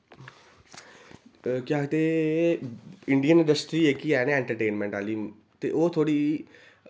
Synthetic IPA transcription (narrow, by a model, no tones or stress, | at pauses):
kjaːt̪eː | ɪ̃ɳɖijənɪ̃ɳɖəsʈɾiːekiɛːneɛ̃ːɳʈəɾʈeːnmɛ̃ːɳʈaːliː | t̪ḛːʔoːt̪ʰoːɽiː